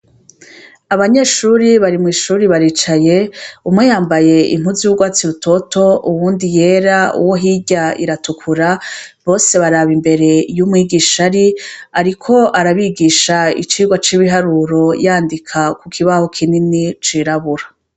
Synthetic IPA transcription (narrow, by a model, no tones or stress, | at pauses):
aβaɲe̞ːʃuːɾiβaɾimŋiːʃuːɾiβaɾit͡ʃaje̞umŋe̞jaːmbaje̞ḭm̥huziuɡwaːt͡siɾuto̞tʰo̞uwuːndije̞ːɾaṵwo̞ɦiɟaḭɾatukʰuɾaβo̞ːse̞βaɾaβimbe̞ɾe̞jumŋiːɡiːʃaɾiaɾikʰo̞ʔaɾaβiɡiːʃaḭt͡ʃiːɡwat͡ʃiβiɦaɾuɾo̞jaːndikʰakukʰiβaho̞kʰininit͡ʃiɾaβuɾa